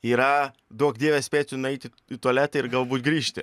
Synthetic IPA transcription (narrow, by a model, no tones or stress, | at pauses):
iːɾɐ | d̪uɔkd̪ʲiɛʋʲɛsʲpʲeːt͡sʲʊnʊɛɪt̪ʲɪ | ɪt̪uɔlʲæːt̪ɐɪɾɡɐlˠbuːt̪ʲɡɾʲiːʃʲt̪ʲɪ